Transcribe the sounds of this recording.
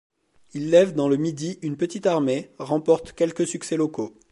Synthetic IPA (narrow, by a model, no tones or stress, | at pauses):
ilːɛvd̪ɑ̃ləmid̪iynpət̪it̪aʁmeʁɑ̃pɔʁt̪kʲɛlkəsyksɛlɔko